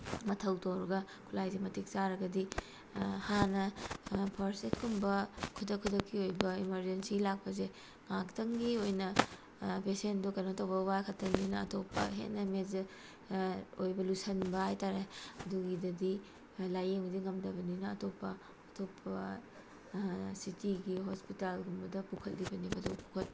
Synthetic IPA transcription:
mɐtʰɐwtoɾɐɡɐ | kʰulajzimɐtʰik̚saɾɐɡɐdi | hanɐpʰɐɾsetkʰumbɐkʰudɐkʰudɐkːiojbɐimɐɾd͡ʒensilak̚pɐze | ŋaktʰɐŋɡiojnɐ | pesendukɐnotʰɐwbɐwajkʰɐtʰːɐnninɐɐ̰topːɐ̰ɦḛt̚nɐmez | ojbɐlusɐnbɐhajtaɾeɐduɡidɐdi | lajeŋdiŋɐmdɐbɐninɐɐtopːɐː | topʰɐ | sitiɡiɦospitalɡumbɐdɐpukʰɐtlibɐnibɐdopu̥kʰɐt̚

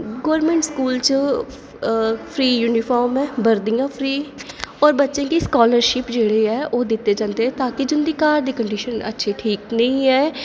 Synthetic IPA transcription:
ɡoːɾmẽːɳʈskuːlt͡ʃ | pʰɾiːjuːnɪpʰɔːɾmɛːbəɾd̪ijãːpʰɾiːɔːɾbətːʃẽːkiːskɔːləɾʃɪpd͡ʒeːɽeːɛːʔoːd̪ɪt̪ːeːd͡ʒãːnd̪eɛ̃ːt̪aːkɪd͡ʒʊnd̪iːkaːɾd̪eːkəɳɖiːʃənə̰tːʃʰeːʈʰiːknəĩːɛː

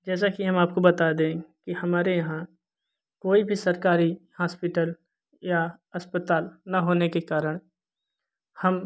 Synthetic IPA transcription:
d͡ʒɛːs̬akiɦɐ̃maːp̚kobɐt̪ad̪ẽːkihɐmaːɾejɐɦã | koːibʱisɐɾkaːɾihaːspɪʈəl | ja | ɐspət̪aːlnɐɦoːnekekaːɾəɽ̃ | hɐm

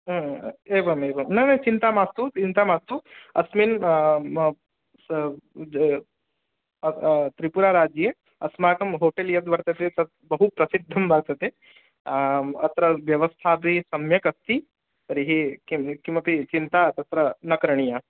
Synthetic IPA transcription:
eːbɐmeːbɐmnɐjnɐjt͡ʃint̪amaːst̪uint̪amaːst̪uɐsmin | t̪ɾipuɾaːɾaːd͡ʒje | ɐsmaːkɐmɦoːʈeljɐt̪ʋɐɾt̪ɐt̪et̪ɐt̪ | bɐɦupɾɐsid̪ʱːɐmbʱaːɡ̚t̪ɐt̪e | ɐt̪ɾɐʋjɐʋɐst̪ʰaːbʱisɐmjɐkɐst̪i | t̪ɐɾiɦikikimʋɐpit͡ʃint̪aːt̪ɐt̪ɾɐnɐkɾɐɳ̃ijaː

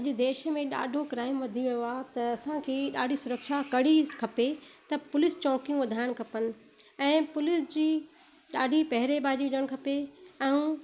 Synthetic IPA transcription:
ɐʄ̆d̪eːʃmẽɗa̰ːɖʱokɾaːɪmʋɐd̪ʱijʋɐjoat̪ɐɐsãkʰeːɗaːɖʱisʊɾəkʃakɐɽ̤ikʰɐpet̪ɐpʊlɪst͡ɕɔ̃ːkijũʋɐd̪ʱaːɪɽ̃̆kʰɐpənɪ̆ | ɛ̃ːpʊlɪsd͡ʑiː | ɗaːɖʱipɐɦɪɾebʱaːd͡ʑiʊd͡ʑəɽ̃kʰɐpeɛũ

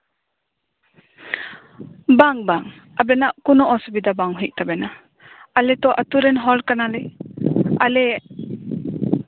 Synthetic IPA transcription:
baŋbaŋ | abɛnaʔkunɔʔɔsubid̪abaŋɦiʔ̚t̪abɛna | alɛt̪ɔʔat̪uɾɛnɦɔlkanalɛ | alɛ

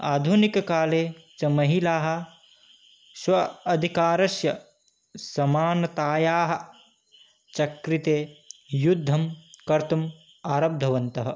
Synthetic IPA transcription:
aːd̪ʱunikɐkaːleːt͡ʃɐmɐɦilaːɦɐ̆ | swɐɐd̪ʱikaːɾɐsjɐ | sɐmaːnɐt̪aːjaːɦɐ̆ | t͡ʃɐkɾit̪eːjud̪ʱːɐmkɐɾt̪ɐm | aːɾɐb̚d̪ʱɐʋɐnt̪ɐɦɐ̆

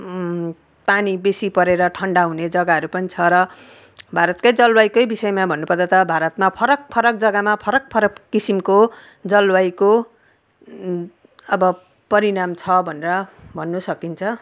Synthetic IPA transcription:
panibesipʌɾeɾʌʈʰʌɳɖaɦuned͡zʌɡaɦʌɾupʌnit͡sʰʌɾʌ | bʱaɾʌt̪kʌjd͡zʌlwajkʌjbisʌjmabʱʌnːupʌrd̪at̪ʌbʱaɾʌt̪mapʰʌɾʌk̚pʰʌɾʌk̚d͡zʌɡamapʰʌɾʌk̚pʰʌɾʌkːisimko | d͡zʌlwajko | ʌbʌ | pʌɾinamt͡sʰʌbʱʌneɾʌbʱʌnːusʌkint͡sʰʌ

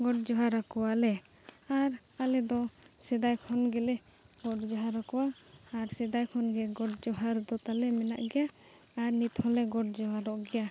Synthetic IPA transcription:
ɡɔʈd͡ʒɔɦaɾakɔwalɛ | aɾ | alɛd̪ɔ | sɛd̪ajkʰɔnɡɛlɛ | ɡɔʈd͡ʒɔɦaɾakɔwaː | ɾsɛd̪ajkʰɔnɡɛɡɔʈd͡ʒɔɦaɾd̪ɔt̪alɛmɛna̰ʔɡɛja | aɾnit̪hɔlɛɡɔʈ̚d͡ʒɔɦaɾɔʔɡɛja

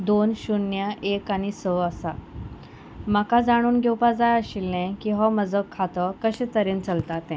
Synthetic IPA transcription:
d̪onɕunjəʔekaɽ̃isəəsa | makad͡zaɽ̃uːnɡʱewpad͡zajəɕilnɛ̃kĩɦɔməd͡zəkʰːat̪əkəɕɛ̃t̪əɾent͡səlt̪at̪ɛ̃

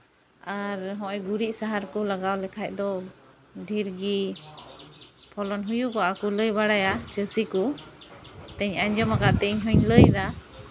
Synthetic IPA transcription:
aɾɦɔ̃ʔɛɡuɾiʔsaɦaɾkulaɡawlɛkʰac̚d̪ɔ | ɖʱiɾɡi | pʰɔlɔnɦujukɔʔakuləjbaɽajat͡ʃəsiku | t̪ɛɲaɲd͡ʒɔmakaʔt̪ɛɲɦɔɲləjd̪a

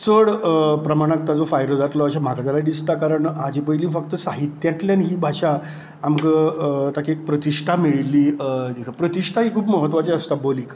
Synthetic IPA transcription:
t͡səɽəpɾəmaɽ̃ak̚t̪ad͡zɔfajɾəd͡zat̪lɔəɕam̤akad͡zalad̪ist̪akaɾəɳad͡ʑipəjliːfək̚t̪əsaɦit̪jãt̪ljanɦiːbʱaʂaː | mkət̪akiek̚pɾət̪iʂʈʰamiɭilːiːənikʰəpɾət̪iʂʈʰaɦiːkʰuːpməɦət̪ʋat͡seəst̪aboliːk

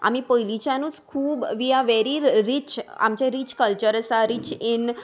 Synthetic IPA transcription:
a̰mipəilit͡ʃʰanũskʰuːbʋiaʋɛɾiɾɪt͡ʃa̰mt͡ʃeɾit͡ʃkəlt͡ʃəɾəsaɾɪt͡ʃɪn

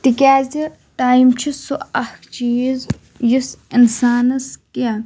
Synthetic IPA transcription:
ʈ̪ikʲaːzi | ʈaːjimt͡ʃʰisoɐhkt͡ʃiːz | jisinsaːnɐskia

